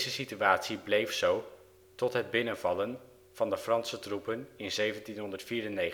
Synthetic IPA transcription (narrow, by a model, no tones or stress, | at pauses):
zəsityaːtsiblejfsow | tɔtɦəd̚bɪnənvɑlən | v̥ɑndəfrɑnsətrupənɪnzejvəntinɦɔndərtfiːɾənːej